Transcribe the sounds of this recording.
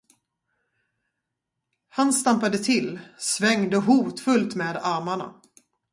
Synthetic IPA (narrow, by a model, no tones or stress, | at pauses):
hanst̪ampad̪ət̪ʰɪlːsvɛŋd̪əɦuːt̪fɵlt̪meːd̪aɾmaɳa̰